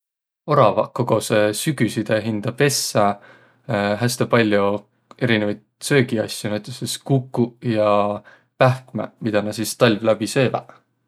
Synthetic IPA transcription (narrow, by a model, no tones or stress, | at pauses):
o̞ɾɑvɑ̰ko̞ɡ̥o̞sesyɡ̥ysid̪̥eɦind̪̥ɑpe̞sːe | ɦæst̪epɑlʲju | e̞ɾinevɑjd̪̥̚sø̞ːɡiɑsʲːjunæjt̪ːˑeseskukːujɑ | pæhkmemid̪̥ɑnɑsist̪ɑlʲvlæb̥isø̞ːvæ̰